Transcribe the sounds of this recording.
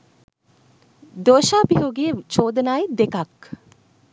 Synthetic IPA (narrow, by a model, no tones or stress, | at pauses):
d̪oʃabiɦoɡiet͡ʃoːd̪ənajd̪ekak